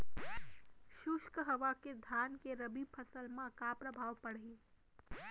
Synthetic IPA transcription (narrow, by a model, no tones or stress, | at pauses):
ʃʊʃkɦəʋaked̪ʱankeɾəbipʰəsəlmãkapɾəbʱaʋpəɽi